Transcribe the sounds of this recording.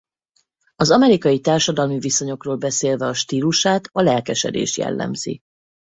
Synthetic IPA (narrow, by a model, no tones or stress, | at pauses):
ɒzɒmɛɾikɒjit̪aːrʃɒd̪ɒlmiviso̞ɲo̞kroːlbɛseːlvɛɒʃt̪iːluʃaːt̪ɒlɛlkɛʃɛ̰d̪ḛːʃjɛ̰lːɛ̰mz̥ḭ